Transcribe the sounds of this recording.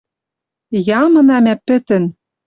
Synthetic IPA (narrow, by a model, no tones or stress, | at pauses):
jɑmɤ̆nɑmæpɘ̆t̪ɘ̆n